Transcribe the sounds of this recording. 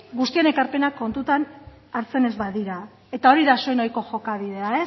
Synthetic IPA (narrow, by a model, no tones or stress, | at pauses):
ɡust̪iene̞kaɾpe̞nakːo̞nt̪ut̪an | aɾt͡se̞ne̞zβaðiɾa | e̞t̪ao̞ɾiðasojnojko̞ʝo̞kaβ̞iðe̞ae